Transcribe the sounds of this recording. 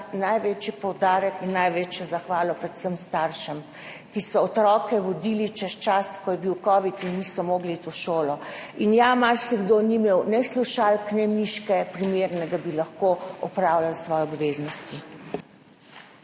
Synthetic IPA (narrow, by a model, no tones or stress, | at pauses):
najʋet͡ʃipɔwd̪aːɾɛkinːajʋeːt͡ʃjɔzaxʋaːlɔpɾɛt̪səmst̪aɾʃəm | kisɔːt̪ɾɔːkɛʋɔd̪iːlit͡ʃɛst͡ʃaskɔjɛbiwkɔːʋit̪inːisɔmoːɡliit̪oʃoːlɔinjamalsiɡd̪oːnimewnɛsluʃalknɛmiʃkɛpɾimeːɾnɛd̪abilaxkoɔpɾawlalsʋɔːjɛɔbʋeːznɔst̪i